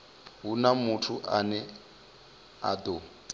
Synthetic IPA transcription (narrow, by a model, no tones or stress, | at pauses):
ɦunamutʰuʔanɛ | a̰do